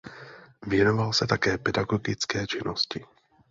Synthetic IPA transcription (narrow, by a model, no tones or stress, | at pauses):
vjɛno̞valsɛt̪akɛːpɛdaɡoɡɪt͡skɛːt͡ʃɪnoscɪ